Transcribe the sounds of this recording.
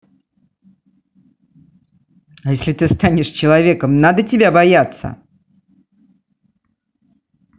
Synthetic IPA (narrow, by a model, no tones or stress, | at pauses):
ajesʲlʲɪt̪ɨst̪anʲɪʂt͡ɕɪlˠɐvʲekəmnad̪ətʲɪbʲabɐjat̪sːə̰